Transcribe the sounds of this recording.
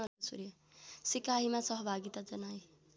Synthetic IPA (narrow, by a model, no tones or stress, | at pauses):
ʌsṵɾjo | sikaɦimasʌɦʌbʱaɡit̪ad͡zʌnaj